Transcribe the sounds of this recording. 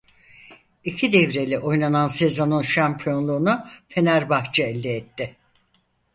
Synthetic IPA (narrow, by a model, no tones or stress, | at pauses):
icʰid̪ɛvɾe̞lʲiʔo̞jnananse̞zo̞nunʃampʰijo̞nlˠuːnufʰe̞næɾbaxt͡ʃʰɯɛlʲd̪ɛːt̪ʰːɪ